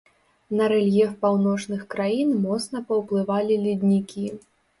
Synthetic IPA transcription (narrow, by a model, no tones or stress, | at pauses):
nɐɾɛlʲjɛfpawnɔt͡ʂnɨxkɾajinmɔt̪snɐpɐwplˠɨvalʲilʲid̪ʲnʲikʲi